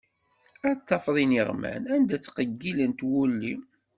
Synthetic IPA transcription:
æt̪ːɑfðˤiniʁmæ̰nænd̪æt͡sːqəɡːilənt̪wulːi

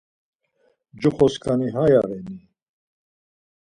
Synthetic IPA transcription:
d͡ʒuχɔskʰʼaniɦajaɾɛni

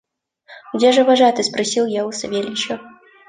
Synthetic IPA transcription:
ʊdʲaʐɨvɐʐat̪ɨspɾɐsʲilˠjaʊsɐvʲelʲɪt͡ɕɐ

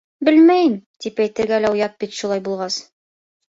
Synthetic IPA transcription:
bɘlmæjɘmt̪ipæjt̪ɘ̆ɾɡælæujɑt̪̚bit̪ʃulˠɑjbulˠʁɑs

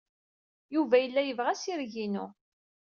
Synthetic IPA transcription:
juvæjəlːæjəvʁæsiɾʝinṵ

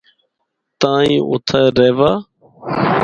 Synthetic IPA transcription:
t̪ãːĩːʔʊ̰t̪ʰaɾeːʋaː

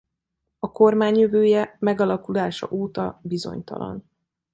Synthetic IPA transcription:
ɒko̞rmaːɲjøvøːjɛmɛɡɒlɒkulaːʃɒ̰ʔoːt̪ɒbizo̞̰ɲt̪ɒ̰lɒ̰n

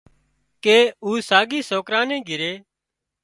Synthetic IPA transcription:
keːuːsaːɡiːsoːkɾãːnẽːɡʱɪɾeː

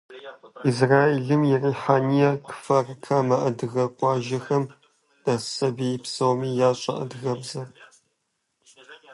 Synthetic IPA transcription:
izraːeɮɨmjɛriːħaːnijɐkɨ̥fɐrkʰamɐʔɐdɨɣɐkʷʼɑːʒɐxɐm | d̥asɐbiɪpsɐwmiːjaːɕʼɐ̰ʔɐ̰dɣɐbzɐ

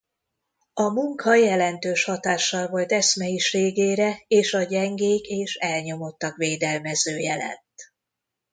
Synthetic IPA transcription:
ɒmuŋkʰɒjɛlɛnt̪øːʃhɒt̪aːʃːɒlvo̞lt̪ɛsmɛjiʃeːɡeːɾɛeːʃɒɟɛŋɡeːkeːʃɛlɲo̞mo̞t̪ːɒkʋeːd̪ɛlmɛzøːjɛlɛ̰t̪ː

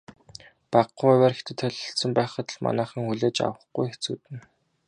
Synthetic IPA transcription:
paqʊæwʲæːrxet̪ɘ̆t̪ʰœɮʲɞ̆ɬt̪sə̆mpæːχə̆t̪̆ɮma̰næːχə̆ŋxuɮeːt͡ɕa̰wə̆χɡujxet͡sṵːt̪ɘ̆n

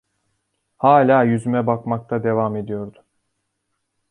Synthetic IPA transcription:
haːlʲaːjyzymɛbakmak̚t̪ʰad̪e̞vame̞d̪ijo̞ɾd̪ʊ

